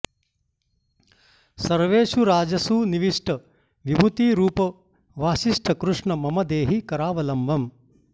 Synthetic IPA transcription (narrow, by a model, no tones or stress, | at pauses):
sɐɾʋeːʃuɾaːd͡ʒɐsuniʋiʂʈɐ | ʋibʱut̪iːɾuːpɐ | ʋaːʃiʂʈʰɐkɾuʂɳɐmɐmɐd̪eːɦikɐɾaːʋɐlɐmʋɐm